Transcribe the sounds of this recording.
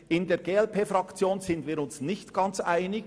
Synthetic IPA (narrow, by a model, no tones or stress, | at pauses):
ɪndeːɾɡeːɛlpʰeːfɾɑkt͡sjoːnzɪndviːɾʊnsnɪçtɡ̥ɑnt͡sʔaɪnɪɡ